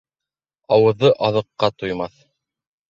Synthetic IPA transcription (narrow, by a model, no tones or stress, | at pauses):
ɑwɤ̆ðːɤʔɑðɤ̆qːɑt̪ujmɑθ